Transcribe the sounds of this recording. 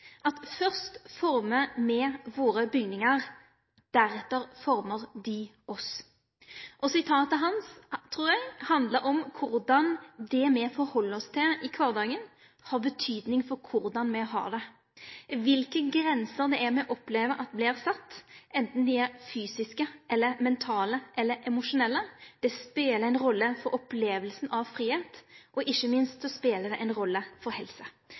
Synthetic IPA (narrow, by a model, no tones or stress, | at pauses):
ʔɑt̪fœʁst̪fɔɾməmɛʋoːɾəbʏɡnɪŋəɾ | d̪̥æɾɛt̪ːəɾfɔɾməɾd̪ɪ | ɔs | ʔɔsɪt̪ʰɑːt̪əɦɑnst̪ʰɾuːɾjæɪhɑnd̪ləɾɔmkʰʊɾd̪ɑnd̪ɛmɛfɔɾhɔlːɔst̪ʰɪlɪkʰʋɑʁd̪ɑːɡən | hɑʁbət̪ʰyːd̪nɪŋfɔɾkʰʊɾd̪ɑnmɛɦɑ̰ːd̪ɛ | ʋɪlkəɡɾɛnsəɾd̪ɛæɾmɛɔʔɔpleːʋəʔɑt̪̚blɪɾsɑt̪ːʔɛnt̪n̩d̪ɪæɾfyːsɪskəʔɛlːəɾmɛnt̪ʰɑːləʔɛlːəɾʔɛmʊʂʊnɛlːəd̪̥ɛspeːləɾæɪnɾɔlːəfɔɾɔpleːʋəlsn̩ɑʋfɾiːheːt̪ʔɔʔɪçːəmɪnst̪sɔspeːləd̪ɛʔæɪnɾɔlːəfɔɾhɛlsə